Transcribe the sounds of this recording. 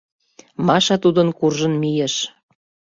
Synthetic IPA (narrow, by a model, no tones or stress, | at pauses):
mɑʃɑt̪ud̪ənkurʒə̆nmijeʃ